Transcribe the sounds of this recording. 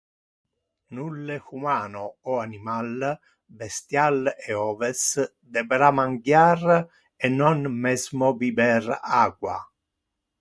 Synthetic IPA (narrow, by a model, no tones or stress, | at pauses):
nulːexumaːnoɔanimal | bɛst̪jalɛɔːvɛs | d̪ɛbɾamaŋɡjaːr | ɛnːɔnmɛzmobibɛraːɡwa̰